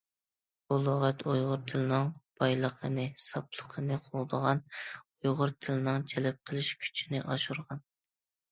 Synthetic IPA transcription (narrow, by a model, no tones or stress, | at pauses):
olˠoʁɛt̪ʰojʁʊɾt̪ʰɨlˠɨnɨŋb̥ɑjlˠəqʰənɨsɑpʰlˠə̥qʰənɨqʰolˠd̪əʁɑnojʁʊɾt̪ʰɨlɨnɨŋt͡ʃʰɛlɛp̚qʰəlˠɪʃkʲʰy̥t͡ʃʰinɪʔɑʃuɾʁɑn